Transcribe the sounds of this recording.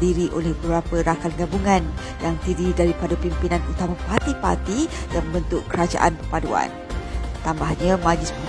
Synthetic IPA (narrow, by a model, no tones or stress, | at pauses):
diɾiʔolɛhbəɾapəɾakanɡabuŋãn | jaŋt̪ididaɾipadapimpinãnut̪amapart̪ipa̰rt̪ijaŋbənt̪ʊʔkːəɾad͡ʒa̰ʔa̰npərpadua̰n | t̪ambahɲə̃mad͡ʒɪsmu